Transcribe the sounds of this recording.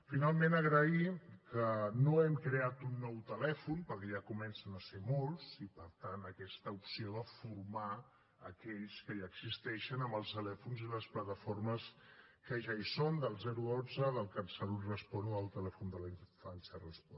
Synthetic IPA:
finalˠmenəɣɾəikənoɛmkɾeat̪unːɔwt̪əlɛfunpəɾkɛʒakumɛnsənəsemolˠzipəɾt̪anəkɛst̪əupsioðəfurma | əkɛʎskəiəɡzist̪ɛʃənəmbəlˠst̪əlɛfunziləsplət̪əforməskəʒaisond̪əlˠzɛɾuonzəðəlˠkənsəlurəspɔnuəlˠt̪əlɛfund̪əlanfansərəspɔ

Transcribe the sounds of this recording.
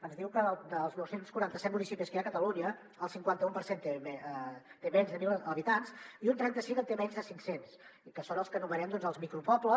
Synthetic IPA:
ənzðiwkəðəd̪əlˠznɔwsenskuɾant̪əsɛt̪munisipiskəjakət̪əluɲə | əlˠsiŋkwant̪əumpəɾsent̪eɛt̪emɛɲzðəmiləβit̪ansiunt̪ɾɛnt̪əsiŋət̪emɛɲzðəsiŋksensikəsonəlˠskənuβəɾɛmd̪ɔnzəlˠzmikɾupɔplə

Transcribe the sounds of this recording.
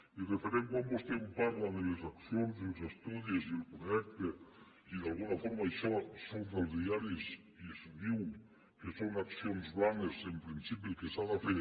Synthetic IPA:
irefeɾemkambost̪empaɾlaðelezaksjonzilesest̪uðjezielpɾojɛk̚t̪e | iðalɣunafoɾmajʃɔsonfalðjaɾes | isðiw | kesonaksjonzβanesempɾinsipiukesaðafeɾ

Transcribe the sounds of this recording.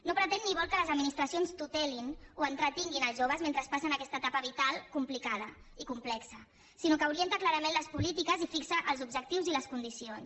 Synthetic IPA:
nopɾət̪ɛnːiβɔlˠkələzəd̪minist̪ɾəsionst̪ut̪ɛlinuənt̪ɾət̪iŋɡinəlˠzʒoβəzment̪ɾəspasənakɛst̪ət̪apəβit̪alˠkumplikaðə | ikumplɛksə | sinokəuɾient̪əklaɾəmẽnləspulit̪ikəzifiksəʔəlˠzub̚ʒək̚t̪iwziləskund̪isions

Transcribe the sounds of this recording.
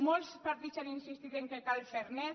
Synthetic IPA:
molspaɾt̪it̪saninsist̪it̪eŋkekalfeɾne

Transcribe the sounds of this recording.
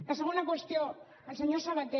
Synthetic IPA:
k̪aseɣunakwest̪io | seɲoɾsaβat̪e

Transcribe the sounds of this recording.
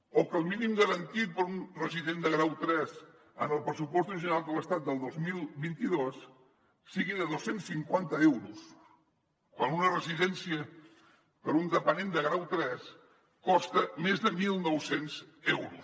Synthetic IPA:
okəlˠminimɡəɾənt̪it̪̚pəɾunrəziðend̪əɣɾawt̪ɾɛz | ə̰nəlˠpɾəsupɔst̪uʒinalˠkələst̪at̪̚d̪əlˠd̪ozmilˠβint̪iðosː | iɣiðəðosensːiŋkwant̪əɛwɾus | kwanunərəziðɛnsiə | pəɾund̪əpənend̪əɣɾawt̪ɾɛs | kɔst̪əmezðəmilˠnɔwsenzɛwɾṵs

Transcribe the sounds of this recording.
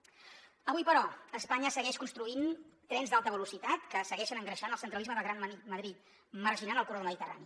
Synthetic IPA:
əβujpəɾɔəspaɲəsəɣɛʃkunst̪ɾuint̪ɾɛnzd̪alˠt̪əβ̞əlusit̪at̪kəsəɣɛʃənəŋɡɾəʃanəlˠsənt̪ɾəlizməðəlˠɣɾanməðɾit̪̚ | mərʒinanəlˠkuroðəməðit̪əra̰ni

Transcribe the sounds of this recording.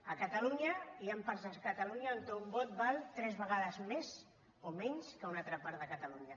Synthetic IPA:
əkət̪əluɲəiampaɾzəkət̪aluɲəːlt̪embɔt̪̚balˠt̪ɾɛzβəɣaðəzmez | omɛɲskəunat̪ɾəpaɾt̪ðəkət̪əluɲə

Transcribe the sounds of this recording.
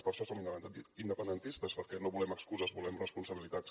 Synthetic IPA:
spəɾʃɔsominind̪əpənd̪ənt̪ist̪əspəɾkɛnoβulɛməkskuzəzbulɛmrəspunsəβilit̪at̪s

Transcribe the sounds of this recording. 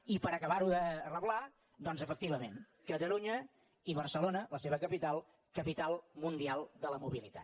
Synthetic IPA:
ipəɾəkəβaɾuðərəβla | d̪ɔnzəfəkt̪iβəmḛn | kət̪əluɲə | iβ̞ərsəlonələseβəkəpit̪alˠ | kəpit̪alˠmund̪ialˠd̪ələmuβilit̪a̰t̪̚

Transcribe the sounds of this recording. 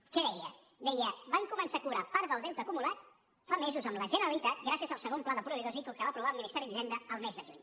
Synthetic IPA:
kɛðɛjə | d̪ɛjəβaŋkumənsakuɾapaɾðəlˠd̪ɛwt̪əkumulat̪ | famɛzuzəmləʒənəɾəlit̪at̪ɡɾasiəzəlˠsəɣ̞omplaðəpɾuβiðozikokəβapɾuβalminist̪ɛɾiðiʒɛnd̪əəlˠmɛzðəʒṵʎ

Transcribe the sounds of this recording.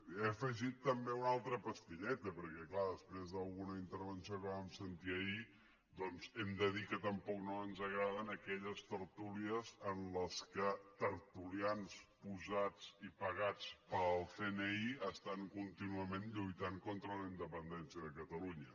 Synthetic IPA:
efəʒit̪ːəmbeunalˠt̪ɾəpəst̪iʎɛt̪əpəɾkɛklaðəspɾezðəlˠɣunəint̪əɾβ̞ənsiokəβamsənt̪iəi | d̪ɔnzɛmd̪əðikət̪əmpɔknoənzəɣɾaðənəkɛʎəst̪əɾt̪uliəzənləskət̪əɾt̪ulianspuzat͡sipəɣat͡spəlˠseneiəst̪aŋkunt̪inuəmenʎujt̪aŋkont̪ɾələind̪əpənd̪ɛnsiəðəkət̪əluɲə

